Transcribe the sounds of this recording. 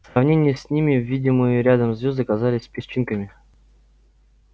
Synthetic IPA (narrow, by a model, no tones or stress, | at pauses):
sɾɐvnʲenʲɪjəsʲnʲimʲɪvʲidʲɪmɨjɪɾʲad̪əmzvʲozd̪ɨɐkazalʲɪsʲpʲɪsʲt͡ɕːinkəmʲɪ